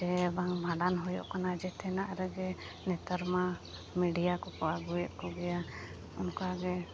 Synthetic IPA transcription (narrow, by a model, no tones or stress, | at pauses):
d͡ʒɛbaŋbʱaɖanɦɔjɔ̰ʔkanad͡ʒɛt̪ʰɛnaʔɾɛɡɛ | nɛt̪əɾma | miɖijakɔkɔaɡujɛt̪̚kɔɡɛja | ɔnkaɡɛ